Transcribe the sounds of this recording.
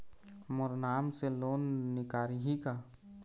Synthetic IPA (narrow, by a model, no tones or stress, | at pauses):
mʊɾnaːmseloːnːɪkaːɾiɦika